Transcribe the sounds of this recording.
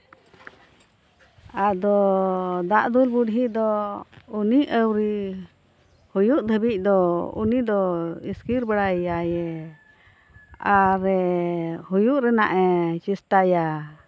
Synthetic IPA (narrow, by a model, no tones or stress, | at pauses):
ad̪ɔd̪aʔd̪ulbuɽɦiʔd̪ɔuniʔʔəwɾi | hujuʔd̪ʱəbic̚ˀd̪ɔṵnid̪ɔiskiɾbaɽaajɛ | aɾɛhujuʔɾɛna̰ʔɛt͡ʃist̪aja